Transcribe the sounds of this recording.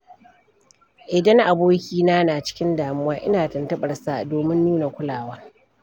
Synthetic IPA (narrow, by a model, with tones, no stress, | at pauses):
ʔɪ˨dɐ˦ŋʔa˨boː˦kʲiː˦naː˦naː˨t͡ʃɪ̥˦kʲɪ˦ndaː˨mʊ˦waː˦ʔɪ̰˦naː˨tɐ˨ntɐ˦ɓɐ˨rsa˦doː˨mɪ˦mːuː˦na˨kʷʊ˦laː˨wɐ˦ŋ